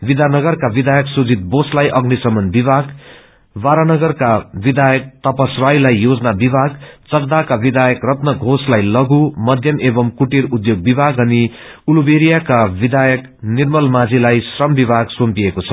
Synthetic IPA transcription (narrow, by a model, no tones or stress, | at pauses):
bid̪ʱanʌɡʌrkabid̪ʱajʌksud͡zit̪̚boslajʔʌɡnisʌmʌnbibʱaɡ | baɾanʌɡʌrkabid̪ʱajʌk̚t̪ʌpʌsrajlajːod͡zʌnabibʱaɡt͡sʌkd̪akabid̪ʱajʌkrʌt̪nʌɡʱoslajlʌɡumʌd̪ʱjʌmebʌmkuʈirud̪joɡ̚bibʱaɡʌni | ulubeɾijakabid̪ʱajʌk | nirmʌlmad͡zilajsrʌmbibʱaɡsompiekot͡sʰʌ̥